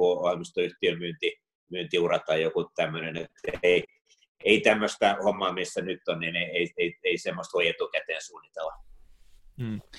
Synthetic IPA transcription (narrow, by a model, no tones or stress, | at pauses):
uɑimist̪oyht̪iømyːnt̪i | myːnt̪iurɑt̪ɑːjjokut̪æmːønenet̪ːeˑi | eit̪æmːøst̪æhomːɑːmisːænyt̪ːonnineieieieisemːost̪ojet̪ukæt̪eːnsuːnːit̪elːɑ